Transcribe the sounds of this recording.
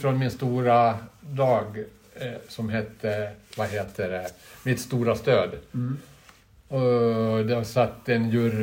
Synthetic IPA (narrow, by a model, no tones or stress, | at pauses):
fɾɔnmɪnst̪uːɾad̪ɑːɡ | sɔmɦɛt̪ʰːəvaɦeːt̪ʰəɖɛmɪt̪st̪uːɾast̪øːd̪ | ɔd̪ɛhasat̪ːɛnjɵɾ